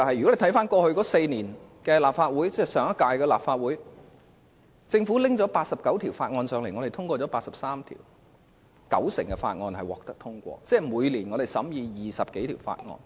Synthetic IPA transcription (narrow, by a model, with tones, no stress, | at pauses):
t͡sɐ˨whɐ˨jːɔ˨˥le˨˧jt̪ʰjfaː˥nkɔː˧hɵ˧kɔː˨˥se˧jniː˨˩nkɛː˧laː˨p̚faː˧t̚wuː˨˥jt͡sɛ˥sœː˨˩ŋɐ˥t̚kaː˧jkɛː˧laː˨p̚faː˧t̚wuː˨˥j | t͡sɪ˧ŋfuː˨˥lɪ˥ŋt͡sɔː˨˥paː˧t̚sɐ˨p̚kɐ˨˥wt̪ʰiː˨˩wfaː˧t̚ŋɔː˧nsœː˨˧ŋle˨˩ŋɔ˨˧ɾe˨jt̪ʰʊ˥ŋkʷɔː˧t͡sɔː˨˥paː˧t̚sɐ˨p̚saː˥mt̪ʰḭː˨˩w | kɐ̰˨˥wsɪ̰˨˩ŋkɛ˧fa̰ː˧t̚ŋɔː˧nhɐ˨jwɔ̰ː˨˩k̚t̪ɐ˥k̚t̪ʰʊ˥ŋkʷɔ̰ː˧t͡sɛː˥˩muː˨˧jliː˨˩nŋɔː˨˧ɾe˨˩jsɐ˨˥mjiː˧jiː˨sɐ˨p̚ke˨˥jt̪ʰiː˨˩wfa̰ː˧t̚ŋɔ̰ː˧n